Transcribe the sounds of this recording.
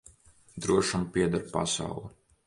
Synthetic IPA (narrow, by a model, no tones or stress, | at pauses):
d̪ɾuɔʃampiɛd̪aɾpa̰sa̰wlˠu